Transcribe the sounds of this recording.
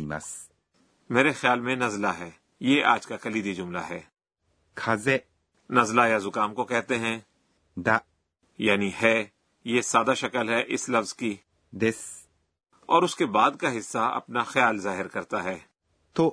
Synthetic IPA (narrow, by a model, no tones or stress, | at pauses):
ima̰s | meːɾexɪjaːlmẽnɐzlaɦɛː | jeʔaːd͡ʒkakɐliːd̪id͡ʒʊmla̰ɦɛː | kʰaze | nɐzlaːjazʊkaːmkokɛɦt̪eɦɛ̃ː | d̪a | jaːnihɛː | jesaːd̪aʃɐkəlɦɛʔɪslɐfz̥ki | d̪es | ɔːɾʊskebaːd̪kaɦɪsːaɐ̰pnaxjaːlzaːɦɪɾkɐɾt̪aɦɛː | t̪o